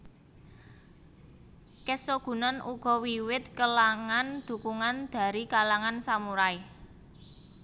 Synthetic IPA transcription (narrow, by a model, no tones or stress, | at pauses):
kɛsoɡ̥ṳnɔnʔuɡ̥ɔ̤wiwɪt̪̚kəlaŋand̪̥ṳkuŋand̪̥ä̤ɾikalaŋansamuɾaɪ